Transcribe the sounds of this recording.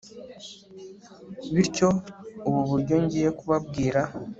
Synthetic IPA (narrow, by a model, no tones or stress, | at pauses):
βiɾco̞uβuβuɾɟo̞ɲɟije̞kuβabɡiːɾa